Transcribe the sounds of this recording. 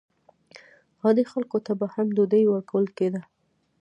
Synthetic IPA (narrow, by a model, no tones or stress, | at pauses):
hɑd̪exalkot̪abahamd̪od̪əjwəɾkawəlked̪a